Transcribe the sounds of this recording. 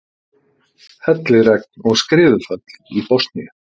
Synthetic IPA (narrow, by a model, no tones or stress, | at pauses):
hɛt̪lɪɾɛk̚nɔɣskɾɪːðʏfœt̪lipɔst̪nij